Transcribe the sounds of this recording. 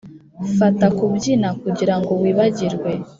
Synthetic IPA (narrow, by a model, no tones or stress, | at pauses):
fatakubɟinakuɟiɾaŋɡo̞wiːβaɟiɾɡwe̞